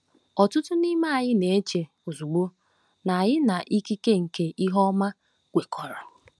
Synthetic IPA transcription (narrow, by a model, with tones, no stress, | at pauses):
ɔ˨tʊ˦tʊ˦ni˦ma˦a˨ɲɪ˦ne˨e˦t͡ʃe˨ | o˨zu˨ɡ͡bo˦ | na˨ɲɪ˦na˨ʔi˦ki˦ke˦ŋ̩˨ke˦ʔi˦ɦɔ˦ma˦ | ɡ̥ʷe˨kʰɔ˨ɾa˨